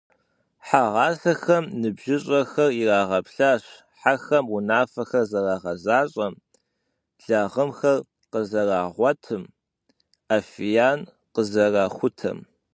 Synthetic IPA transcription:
ħaʁɑːsɐxɐmnɨbʒɪɕʼɐxɐriraːʁɐpɬaːɕ | ħaxɐmʊnaːfɐxɐrzɐrɑːʁɐzaːɕʼɐm | ɮɐʁəmxɐr | qəzɐaːʁʷɔtʰɨm | aːfijaːn | qəzɐraːχʷʊtʰɐ̰m

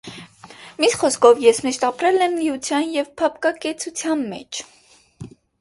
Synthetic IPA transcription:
misχɔskʰɔvjɛsmiʃt̪ɑpɾɛlɛmliut͡sʰjɑnjɛvpʰɑp̚kɑkɛt͡sʰut͡sʰjɑnmɛ̰t͡ʃʰ

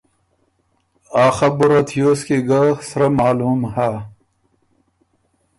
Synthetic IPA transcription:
aːxɐbuɾɐt̪ʰijoːskiɡaxsɾɐmaːluːmhaː

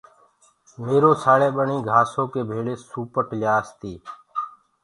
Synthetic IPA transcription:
meːɾoːsʰaːɽeːɓəɳiːɡʱaːsoːkeːbʱeːɭeːsuːpəʈljaːst̪iː

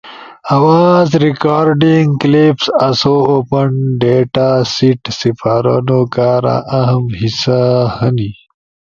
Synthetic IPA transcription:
awaːzɾikaːɾɖiŋɡklipsɐsoopəɳɖeʈasiʈsifaːɾa̰nokaːɾa̰ʔaɦɐmhisahɐni

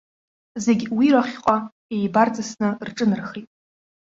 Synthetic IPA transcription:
ze̞ɡʲwiɾaχʲqʼa | ejbart͡sʼasnɨrʈ͡ʂʼɨnɨrχejtʼ

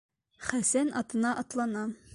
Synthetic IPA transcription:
χæsænɒt̪ɤ̆nɑʔɒt̪lˠɑnɑ

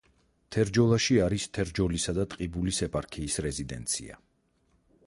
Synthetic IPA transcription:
t̪ʰɛɾd͡ʒɔlˠaʃiaɾist̪ʰɛɾd͡ʒɔlisad̪at̪ʼqʼibulisɛpʼaɾkʰiːsɾɛzid̪ɛ̰nt̪sʰḭa̰

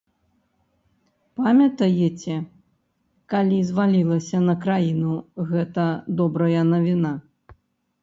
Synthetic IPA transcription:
pamʲɐt̪ɐjet͡sʲɛ | kalʲizvalʲilˠɐsʲɐnɐkɾajinuɣɛt̪ɐd̪ɔbɾɐjɐnɐvʲina

